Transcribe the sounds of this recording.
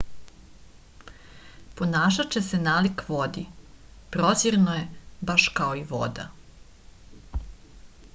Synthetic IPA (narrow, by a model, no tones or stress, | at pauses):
po̞naːʃ̬at͡ɕe̞senaːlikʋod̪i | pɾoziɾnoje̞baʃkaoiʋo̞̰d̪a̰